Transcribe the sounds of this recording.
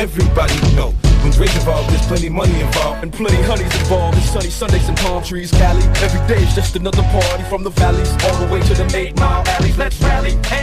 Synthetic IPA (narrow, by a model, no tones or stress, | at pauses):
ɛvɹibɑɾifɛlˠə̃nzwẽɪzɨ̃nvaɨz̥pʰl̥ɛ̃nĩmʌniɨ̃nbɔɨ̃npʰl̥ɛ̃ɾ̃iɦʌnizɨ̃nbɑvɨ̃sʌ̃ñisʌ̃ndeɪzɨ̃ntʰɑ̃ɪ̃mtʰɹ̥izɡælˠiɛvɹideɪzd͡ʒʌstɨnʌðə˞pʰɑɹɾifɹʌ̃mðəvælˠizɔlˠðəweɪɾɨðɨ̃meɪtmaælˠiɨsɹæli